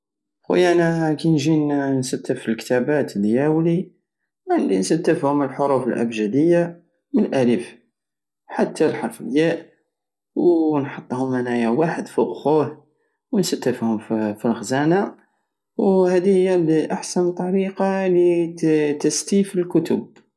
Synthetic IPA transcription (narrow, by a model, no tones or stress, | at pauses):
xṵjænakinʒinnsæt̪ːəfilkt̪æbæt̪ljæwli | anlinsæt̪ːəfhʊməlħoɾufəlʔæ̰bʒæd̪əjːa | mənlʔælif | ħat̪ːælħɑɾˤfəljæʔ | wnħɑt̪ˤːhʊmːanæjawaħəd̪fuɣxuh | wənsæt̪ːəfhʊmfilxzæna | whæd̪ihəjːæliʔaħsænt̪ˤːɑɾiqɑlit̪əst̪ifəlkʊt̪ʊb̚